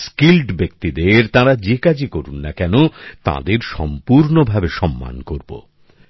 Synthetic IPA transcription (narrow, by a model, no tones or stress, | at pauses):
skilʈbek̚t̪id̪eɾt̪ãɾad͡ʑekad͡ʑikoɾunːakɛnot̪a̰d̪eɾʃɔ̰mpuɾnobʱabeʃɔmːa̰nkoɾbo̰